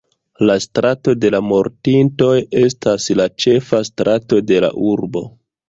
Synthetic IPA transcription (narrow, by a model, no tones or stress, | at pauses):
lastɾʔato̞de̞lamo̞ɾtinto̞je̞staslat͡ʃe̞fastɾato̞de̞la̰ʔuɾbo̞̰